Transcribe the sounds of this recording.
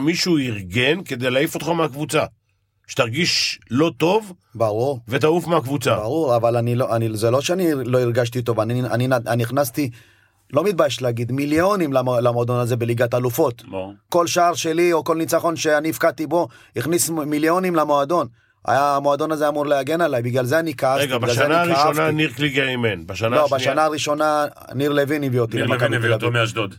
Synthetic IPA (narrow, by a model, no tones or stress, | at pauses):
miʃuiʁɡe̞nke̞d̪e̞jlaifot̪χameakvut͡sa | ʃe̥t̪aʁɡiʃlo̞t̪o̞v | baʁuʁve̞t̪̬aufmeakvut͡sabaʁuʁavalaniloʔanizelo̞ʃeanilo̞iʁɡaʃt̪it̪o̞vania̰ninaniχnast̪i | lo̞mit̪̚bajeʃleaɡid̪miljo̞nimlaolamo̞ad̪o̞naze̞be̞liɡat̪alufo̞t̪ko̞lʃaaʁʃe̞lio̞ko̞lnit͡saχo̞nʃe̞aniifkat̪ibo̞ | iχnismiljo̞nimlamo̞ad̪o̞n | a̰jaːmo̞ad̪o̞nazeamuʁleaɡe̞nalajbiɡlalzeanikaaɡɡlaeanaiaananiʁkliɡeimenbaʃanalobaʃanaːʁiʃo̞na | niʁleviniviot̪ilemakamevilavmaʃd̪od̪